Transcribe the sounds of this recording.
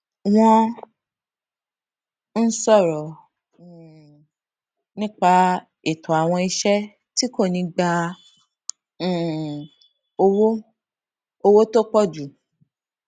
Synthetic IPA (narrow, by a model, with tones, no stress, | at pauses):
w̃ɔ̃˧ | n̩˦sɔ˦˨ɾɔ˨ | nĩ˦k͡pa˧ | i˦˨tʰɔ˨a˨w̃ɔ̃˧i˧ʃɛ˦ | ti˦ko˦˨nĩ˧ɡ͡ba˧˦˨ | o˧wo˦ | o˧wo˦to˦k͡pɔ˦˨d͡ʒu˨